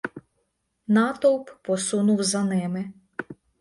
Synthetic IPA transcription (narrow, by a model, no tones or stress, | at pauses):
nɑt̪ɔwppɔsunʊwzɐnɪmɪ